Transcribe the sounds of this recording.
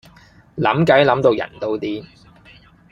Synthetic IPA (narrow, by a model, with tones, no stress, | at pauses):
lɐ̰˨˥mkɐ˨˥jlɐ˨˥mt̪o˧wjɐ̰˨˩nt̪o˧wt̪iː˥